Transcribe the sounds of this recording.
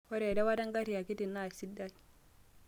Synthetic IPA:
wɔ˦ɾe˨da˦wa˦da˦ŋɡa˦ɾi˨a˨ki˦ti˨nːa˦˨si˦dːa˦i˨

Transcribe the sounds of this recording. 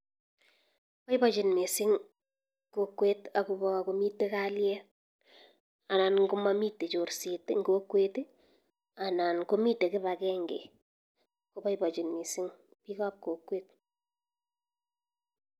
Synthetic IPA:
pa˦i˦bɔ˨t͡ʃi˨nmi˨sɪ˦ŋ | kokːwe˦ta˨ku˨bɔ˨ko˨mi˦tːe˦ka˦ljɛ | a˨na˨nŋɡu˦ma˦mi˦tːe˨t͡ʃo˨ɾsi˨tŋɡokwe˦t | a˨na˨nko˦mi˦tːe˨kɪ˦βa˨kɛŋɡḛ˨ | ko˦pa˦ibɔ˨t͡ʃi˨nmi˨sɪ˦ŋ | pi˦kɔ˦p̚ko˨kːweːt̚

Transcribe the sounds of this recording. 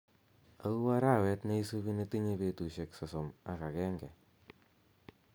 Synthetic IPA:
a˦u˦wa˦ɾa˦˨wɛ˦tne˦i˦so˦bi˦ne˦ti˦ɲe˦pe˨tu˨ʃe˨ksɔ˨sɔ˨ma˦ka˨kɛ˦ŋɡɛ˨

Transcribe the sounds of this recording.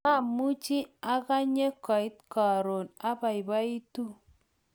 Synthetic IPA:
a˦˨mu˦t͡ʃi˦a˦ka˦ɲe˦kɔ˨i˦t̚ka˨ɾo˨na˦ba˨i˨ba˦i˦tu˦

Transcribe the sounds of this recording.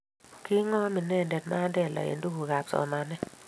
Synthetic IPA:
ki˦ŋɔ˦mi˨nɛ˦˨ndɛ˨tma˦dɛ˦˨la̰˨ḛ˨ndu˦ɡu˨ɡa˨p̚sɔ̰˨na˨nɛ˦

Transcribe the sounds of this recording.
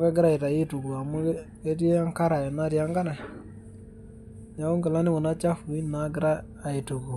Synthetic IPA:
kɛ˦ɡɪ˦ɾa˦i˨ta˨i˦tu˨ɡu˨a˨mu˦ | e˦ti˦a˦ŋka˦ɾa˨jɔ˨na˦ɾja˦ŋɡa˦na˨ | ɲa˨u˦ŋɡɪ˨la˦nɪ˦mʊ˨na˦t͡ʃa˦fu˨i˦na˨ɡɪ˦ɾaː˦˨ | i˨tu˨ɡu˨

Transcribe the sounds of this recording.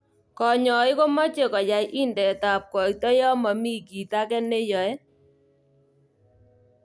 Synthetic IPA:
kɔ˨ɲɔ˨ɪ˦ko˦mɔ˦t͡ʃe˨kɔ˨ja˨jʔi˦ndɛ˨ta˨p̚kɔ˨i˦tɔ˦jɔ˦ma˨mi˦ki˨ta˦kɛ˦ne˦jɔ˨ɛ˦

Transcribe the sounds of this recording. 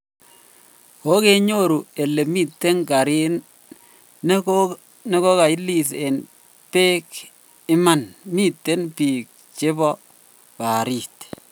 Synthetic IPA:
ko˨˦ke˦ɲo˦ɾu˨e˨le˨mi˦tːe˦ŋka˨ɾi˦nː | ne˦ko˦ka˨i˦li˨s̬e˨n | pe˦k | ɪ˦ma˨nmi˦tːe˦npiː˨k̚ | t͡ʃe˦bɔ˦ | pa˨ɾi˨t

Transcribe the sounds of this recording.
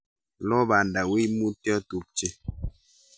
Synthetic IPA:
lɔ˦ba˨n˨da˨wi˦mu˦tɛ˦tu˨p̚t͡ʃe˦

